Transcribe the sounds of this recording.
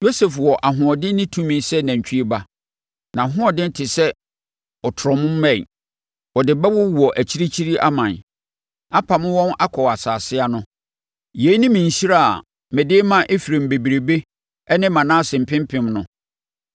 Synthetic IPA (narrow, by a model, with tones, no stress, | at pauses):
jo˦se˨fwɔ˨ʔa˨ɦʊ̃˨ɔ˨dɪ˦nɪ̃˦tʰũ˦mĩ˨nsɛ˦næ̃˨ɲ˨t͡ɕᶣʰi˦e˦ba˦ | nã˨ɦʊ̃˦ɔ˨dɪ̃˦n̩˦tʰɪ˨sɛ˦ | ɔ˨tʰɔ˨mʊ̃˦m̩ː˦ɛ̃˦˨ḭ˨ | wɔ˨dɪ˨bɛ˦wʊ˦wu˨ɔ˨ʔæ˨t͡ɕʰi˦ɾi˦t͡ɕʰi˦ɾi˦ʔa˦mã˨n | a˦pʰa˨mʊ̃˦wɔ̃˦na˦kʰɔ˨a˨saː˨sɪ˦a˦nʊ̃˦ | je˨˦nɪ̃˦mĩ˨ɲ̩˨ɕi˦ɾa˦˨a̰˨ | mɛ˨dɪ˦mã˦ʔe˦fi˨ɾe˨m̩˨be˨bi˨ɾe˨be˦ | ɛ˦nɪ̃˦mã˨nã˦sɪ̃˨m̩˨pʰɪ̃˦mpʰɪ̃˦mnʊ̃˨˦